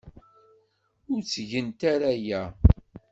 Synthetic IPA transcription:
ʊɾt͡sːʝənt̪aɾajæ

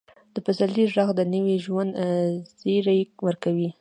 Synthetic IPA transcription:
d̪̥əpasaliʒaɣd̪ənəwiʒwand̪z̥eɾajwəɾkawi

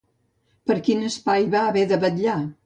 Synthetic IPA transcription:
pəɾkinəspajβaːβɛðəβəʎa

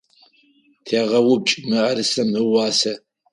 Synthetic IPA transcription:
tʰaʁɐwʊb̚t͡ʃʼmɨʔɐɾɨsɐmɨwɑːsɐ

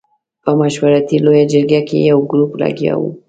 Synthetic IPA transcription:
pəmaʃwaɾat̪ilojad͡ʒəɾɡakḛjawɡɾupla̰ɡja̰wṵ

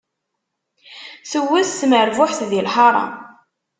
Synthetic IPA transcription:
səwːæθːməɾvʊħθðilħɑɾˤɑ̰

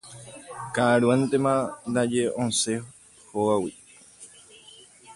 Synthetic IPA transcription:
kaɾwãnt̪emãnd̪ad͡ʒeõnse | howawi

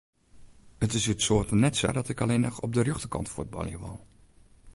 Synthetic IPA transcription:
ətɪsytsoːtnɛtsa̰dɔtɪkɑleːnəxɔb̚dərjøχtəkɑ̰ntfud̚bɑ̰ljəʋɑ̰lˠ

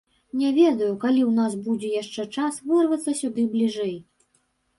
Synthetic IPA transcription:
nʲɛvʲɛd̪ɐjukalʲiwnas̬bud͡zʲɛjaʂt͡ʂɛt͡ʂasvɨrvɐt̪sːɐsʲud̪ɨblʲiʐɛj

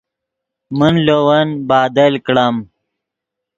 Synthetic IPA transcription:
mənlowɐnbaːd̪ɐlkɽɐm

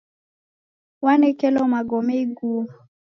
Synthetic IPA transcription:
wanɛkɛlɔmaɡɔmɛiɡu

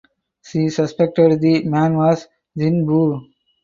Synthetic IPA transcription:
ʃiːsəspek̚ʈeɖd̪imæ̃ːnʋɔːz | ɪ̃nbuː

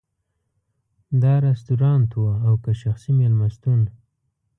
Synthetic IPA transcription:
d̪ɑɾast̪uɾɑnt̪waːwkaʃaxsimelmast̪un

